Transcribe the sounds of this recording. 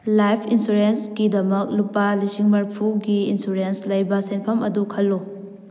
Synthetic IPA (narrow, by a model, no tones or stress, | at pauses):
lajpʰinsuɾensɡidɐmɐk̚lupɐlisiŋmɐɾpʰuɡiinsuɾenslɐjbɐsenpʰɐmɐdukʰɐlːu